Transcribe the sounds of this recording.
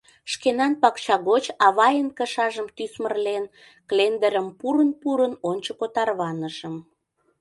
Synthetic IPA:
ʃkenɑnpɑkt͡ɕɑɣot͡ɕɑβɑjənkəʃɑʒəmt̪ysmərlen | klend̪əɾəmpuɾənpuɾənont͡ɕəkot̪ɑrβɑnəʃəm

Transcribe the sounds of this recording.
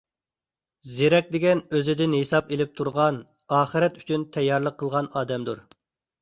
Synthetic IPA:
zeɾɛk̚ʲd̪ɪɡʲɛnøzɪd̪ɪnhesɑpelɪp̚t̪ʰuɾʁɑn | ɑːχɨɾɛt̪y̥t͡ʃʰynt̪ʰɛjːɑɾlˠəqʰːəlˠʁɑnɑːd̪ɛmd̪uɾ

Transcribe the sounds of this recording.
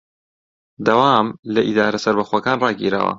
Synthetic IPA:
d̪ɐwaːmlɐʔid̪aːɾɐsɐɾbɐxwɐkaːnrɑːɡiːɾa̰ːwɐ̰

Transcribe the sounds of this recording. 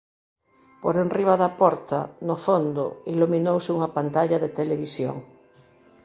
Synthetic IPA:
poɾenriβ̞aðapɔɾt̪anofond̪o̰iluminowseuŋapant̪aʎaðet̪eleβ̞isjo̰ŋ

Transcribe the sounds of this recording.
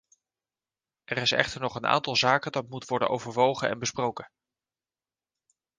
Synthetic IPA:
ʔɛrɪsɛ̰χtəɹnɔχəna̰ːntɑlˠzaːkədɑt̚mutʋɔɹdə̰nʔo̰wvəɹʋowχənɛ̰nbəsprowkə

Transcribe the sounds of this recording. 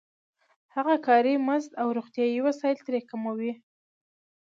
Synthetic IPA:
haɣakɑɾimazd̪awɾoɣt̪jɑjiwasɑjɪlt̪ɾekamawi

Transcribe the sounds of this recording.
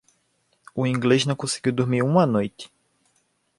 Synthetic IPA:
ʊĩŋɡleʒnɐ̃w̃kõsɪ̥ɡiwd̪oɾmiɾũmɐnojt̪ɪ̥

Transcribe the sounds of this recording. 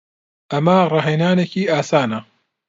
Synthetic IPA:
ʔɐmɐrˤɑɦejnaːnekiːaːsaːnɐ

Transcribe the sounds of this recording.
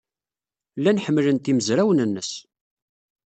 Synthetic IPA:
lːænħəmːlənt̪iməzɾæwənənːəs

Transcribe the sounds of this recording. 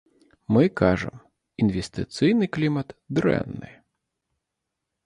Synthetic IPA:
mɪkɑʒḛm | inʋest̪ɪt̪sɨjnɪjklʲimɐt̪d̪ɾɛ̰nːɪ̰

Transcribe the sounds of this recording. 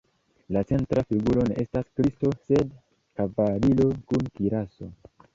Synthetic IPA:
lat͡se̞ntɾafiɡulo̞ne̞̰ʔe̞staskɾisto̞se̞d | kavalilo̞kunkiɾaso̞

